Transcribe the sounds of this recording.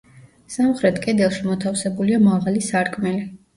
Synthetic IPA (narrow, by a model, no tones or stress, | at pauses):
samχɾɛt̪ʰkʼɛd̪ɛlˠʃimɔt̪ʰafsɛbuliamaʁalisaɾkʼmɛli